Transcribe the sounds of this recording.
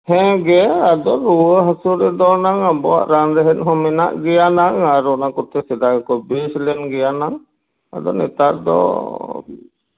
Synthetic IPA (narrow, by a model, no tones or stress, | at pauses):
hɛ̃ɡɛad̪ɔɾuəɦasuɾɛd̪ɔnaŋabɔa̰ʔɾanɾɛɦɛnˀɦɔ̃mɛna̰ʔɡɛjanaŋaɾɔʔnakɔɾt̪ɛsɛd̪aɡɛkɔbeslɛnɡɛjanaŋ | a̰d̪ɔnɛt̪aɾd̪ɔ̰